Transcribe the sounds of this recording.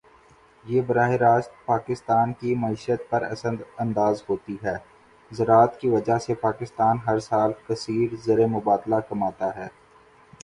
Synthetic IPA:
jeːbɐɾaːɦeɾaːst̪̚paːkɪst̪aːnkimɐiːʃət̪̚pɐɾɐ̰səd̪ɐ̃nd̪aːzɦoːt̪iɦɛː | zɐɾaːt̪kiʋɐd͡ʒasepaːkɪst̪aːnɦɐɾsaːlkɐsiːɾzɐɾemʊbaːd̪lakɐmaːt̪aɦɛː

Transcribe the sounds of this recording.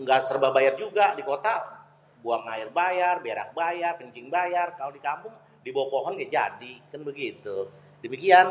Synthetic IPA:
ŋɡaʔsərbabajard͡ʒuɡadikot̪a | buaŋaɪrbajarbeɾa̰k̚bajarkəɲt͡ʃɪŋbajarkalodikampʊŋ | dibawapoɦɔnkad͡ʒa̰dikanbəɡit̪u | dəmikian

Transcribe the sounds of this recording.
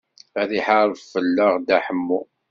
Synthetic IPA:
æðiħaɾˤfəlːəʁd̪æħəmːu

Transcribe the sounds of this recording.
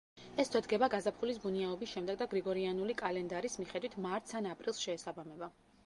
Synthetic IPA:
ɛst̪ʰwɛd̪ɡɛbaɡazapʰχulis̬buniaɔbisʃɛmd̪ɛɡ̚d̪aɡɾiɡɔɾianulikʼalɛnd̪aɾismiχɛd̪wit̪ʰmaɾt̪ʰsanapʼɾilˠsʃɛːsabamɛba

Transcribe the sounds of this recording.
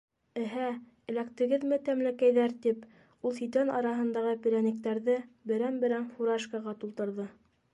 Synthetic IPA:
ɘ̆ɦæ | ɘ̆lækt̪ɘ̆ɡɘðmɘt̪æmlækæjðæɾt̪ip | ulˠsit̪ænɑ̰ɾɑɦɤ̆nd̪ɑʁɤpʲiɾʲænɘ̆k̚t̪æɾðɘbɘ̆ɾænbɘ̆ɾænfuɾɑʃkɑʁɑt̪ulˠt̪ɤ̆ɾðɤ

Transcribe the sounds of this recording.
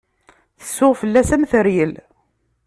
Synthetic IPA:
θə̥sːʊʁfəlːæsæmθəɾjəl

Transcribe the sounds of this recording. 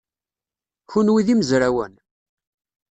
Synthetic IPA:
çunwiðiməzɾæwə̰n

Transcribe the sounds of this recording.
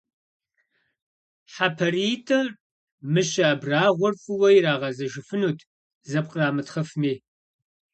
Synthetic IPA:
ħapʰɐriːtʼɐr | mɨɕɐːbraːʁʷʊrfʼɨwɐjiraːʁɐzɐʒɪfɨnuːtʰ | zɐp̚qʼraːmɨtχɐfmeː

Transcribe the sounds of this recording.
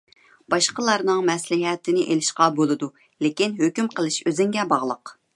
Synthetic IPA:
b̥ɑʃqəlˠɑɾnɨŋmɛslɪɦɛt̪ʰɪnɪʔelɪʃqɑbolˠɨd̪u | lekʲinɦøkʲymqəlˠɨʃøzɪŋɡʲɛbɑʁlˠəq

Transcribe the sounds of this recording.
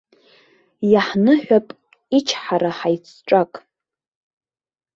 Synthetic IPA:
jaħnɨħᶣʷapʼ | it͡ʃʰħaɾaħajt͡sʰʈ͡ʂʼakʼ

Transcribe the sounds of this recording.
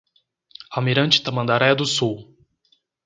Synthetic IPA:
amiɾɐ̃nt͡ʃɪ̥t̪ɐmɐ̃nd̪aɾɛjɐd̪ʊsuw

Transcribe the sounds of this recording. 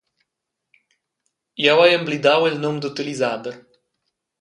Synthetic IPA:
jawajemblid̪awelnomd̪ut̪ɨlizad̪ə

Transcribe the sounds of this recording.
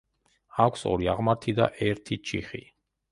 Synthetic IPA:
akʷʰsɔ̰ɾiaʁmaɾt̪ʰid̪a̰ʔɛɾt̪ʰit͡ʃʰiχi

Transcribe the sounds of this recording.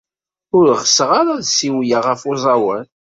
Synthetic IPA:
ʊɾʁəsəʁaɾaðsiwjaʁəfʊzˤɑwən

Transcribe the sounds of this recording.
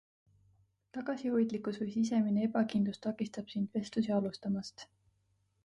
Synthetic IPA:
t̪ɑɡ̥ɑsiho̞jd̪̥likˑusvɤjsis̬e̞mineebɑkind̪lust̪ɑkˑist̪ɑb̥sind̪̥ve̞st̪lusiɑlust̪ɑmɑst̪

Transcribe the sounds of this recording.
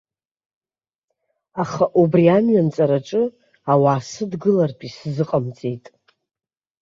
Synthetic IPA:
aχaʔubriamɥant͡sʼaɾaʈ͡ʂʼɨ | awaːsɨdɡɨlarpʼiszɨqʼamt͡sʼejtʼ

